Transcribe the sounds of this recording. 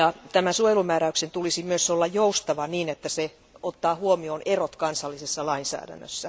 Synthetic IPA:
jɑt̪æmæsuojelumæːɾæyksent̪ulisimyøsolːɑjjoust̪ɑʋɑniːnet̪ːæse | ot̪ːɑːhuomioːnerot̪kɑnsɑlːisesːɑlɑinsæ̰ːdæ̰nːø̰sːæ

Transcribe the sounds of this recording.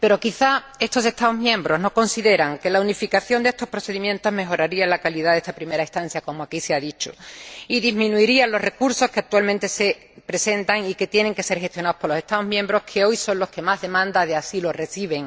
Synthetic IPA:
pe̞ɾokiθa | e̞st̪ose̞st̪aoɦmjẽ̞mbɾo̞zno̞ko̞nsiðe̞ɾaŋke̞launifikaθjo̞nd̪ee̞st̪o̞hpɾoθe̞ðimjẽnt̪o̞zɦme̞xoɾaɾialakaliðaðe̞st̪apɾime̞ɾaest̪ãn̟θjako̞moakiseaðit͡ʃo̰iðizmĩnuiɾianlo̞ɦre̞kuɾso̞skeak̚t̪ualmẽnt̪e̞se̞ | pɾe̞se̞nt̪aŋike̞t̪je̞ne̞ŋke̞se̞ɾxe̞st̪jo̞naohpolose̞st̪aoɦmjembɾo̞hkʰe̞o̞jso̞nlo̞ske̞mazðe̞mãnd̪aðe̞asilore̞θiβ̞e̞ŋ

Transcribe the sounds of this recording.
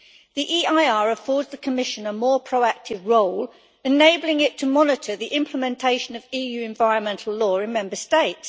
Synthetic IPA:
ðiʔiːaɪɑːɹəfɔːdzðəkʰəmɪʃə̃nəmɔːpʰɹ̥əʊak̚tʰɪvɹoʊl | ɪneɪbl̩ɪ̃ŋɪtʰəmɒnɪtʰəðiʔɪ̃mpʰləmɛ̃ntʰeɪʃə̃nəviːjʉːɪ̃ɱvaɪɹə̃nmɛ̃ntʰˡl̩ˠlɔːɹɪ̃nmɛ̃mbəsteɪts

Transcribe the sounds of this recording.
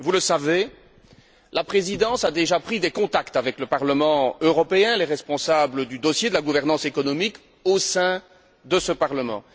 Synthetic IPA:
vuləsave | lapχezid̪ɑ̃sad̪eʒapχid̪ekɔ̃t̪akt̪avɛkləpaʁləmɑ̃øʁɔpeɛ̃lɛʁɛspɔ̃sabləd̪yd̪ɔsjed̪əlaɡuvɛʁnɑ̃sekɔnɔmik | osɛ̃ | d̪əsəpaʁləmɑ̰̃

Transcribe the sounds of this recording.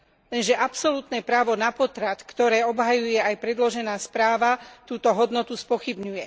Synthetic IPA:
lɛnʒɛʔapsɔlut̪nɛːpɾaːʋɔnapɔt̪ɾat̪kt̪ɔɾɛːɔbɦajujɛajpɾɛd̪lɔʒɛnaːspɾaːʋat̪uːt̪ɔɦɔd̪nɔt̪uspɔxibɲujɛ

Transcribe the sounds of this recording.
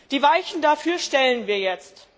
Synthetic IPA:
d̥iːvaɪçn̩dafyːɐʃtɛlənviːɐjɛt͡st

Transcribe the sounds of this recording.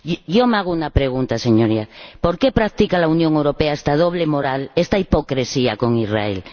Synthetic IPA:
ʝomaɣounapɾeɣ̞unt̪ase̞ɲoɾiapoɾke̞pɾak̚t̪ikalaunjoŋewɾo̞peaest̪að̞o̞βlemoɾalest̪aipo̞kɾe̞siako̞ŋira̰ḛl

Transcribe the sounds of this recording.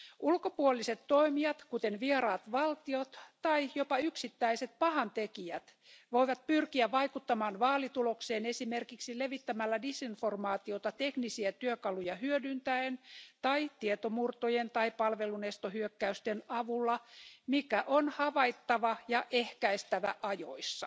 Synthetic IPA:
ʔulkopuoliset̪toimiɑt̪kut̪enʋieɾɑːt̪ʋɑlt̪iot̪tɑijopɑyksit̪ːæiset̪̚pɑhɑnt̪ekiæt̪ | ʋoiʋɑt̪̚pyrkiæʋɑikut̪ːɑmɑːnʋɑːlit̪ulokseːnesimerkiksileʋit̪ːæmælːædisinformɑːt̪iot̪ɑt̪eknisiæt̪yøkɑlujɑhyødynt̪æent̪ɑit̪iet̪omurt̪ojent̪ɑipɑlʋelunest̪ohyøkːæyst̪enɑʋulːɑmikæʔonhɑʋɑit̪ːɑʋɑjɑʔehkæist̪æʋæʔɑjo̰isːɑ

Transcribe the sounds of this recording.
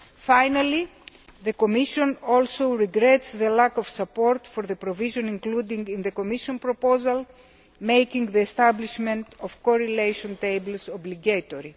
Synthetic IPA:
fajnɐli | ðekomiʃõnolsowɾiɡɾetsðelakofsɐpoɾt̪foɾðepɾoviʒõnĩŋklud̪iŋɡinðekomiʃonpɾopozɐl | mejkĩŋðiest̪abliʃmẽnt̪ofkoɾelejʃõnt̪ejbelsobliɡejt̪oɾi

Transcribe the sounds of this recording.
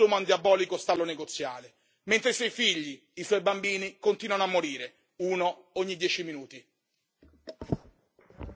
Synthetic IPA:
uːmand̪jabɔːlikost̪alːoneɡot̪sːjaːle | ment̪ɾesɔjfiʎːiː | swɔjbambiːnikont̪iːnwanoamːoɾiːɾe | uːnooɲːid̪jɛːt͡ʃiminuːt̪i

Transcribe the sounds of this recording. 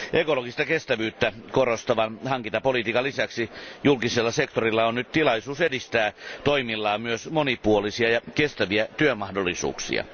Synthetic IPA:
ʔekoloɡist̪ɑkest̪æʋyːt̪ːækorost̪ɑʋɑnhɑŋkint̪ɑpolit̪iːkɑlisæksijulkiselːɑsekt̪orilːɑonnyt̪t̪ilɑisuːsedist̪æːt̪oimilːɑːmyøsmonipuolisiɑjɑkest̪æʋiæt̪yømɑhdolːˑisṵːksḭɑ̰

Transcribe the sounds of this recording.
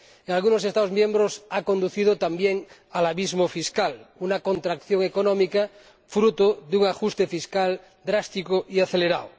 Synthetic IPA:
eŋalɣunos̬est̪aðozmjẽ̞mbɾosakond̪uθið̞ot̪ambjeŋ | alaβizmofiskalunakõnt̪ɾakθjoŋekonõmika | fɾut̪oðeuŋaxust̪efiskal | d̪ɾast̪ikoʔiaθeleɾaw

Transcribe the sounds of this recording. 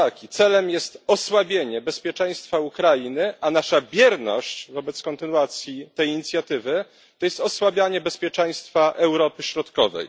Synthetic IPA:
akʲit̪sɛlɛmjɛst̪ɔswabʲjeɲɛbɛspʲjɛt͡ʂɛ̃j̃st̪faukɾajinɘʔanaʂabʲjɛɾnɔ̰ɕt͡ɕvɔbɛt̪skɔnt̪ɘnwat̪sʲjit̪ɛjiɲit̪sʲjat̪ɘvɘ | t̪ɔjɛst̪ɔswabʲjaɲɛbɛspʲjɛt͡ʂɛ̃j̃st̪faʔɛwɾɔpɘɕɾɔt̪kɔvɛ̰j

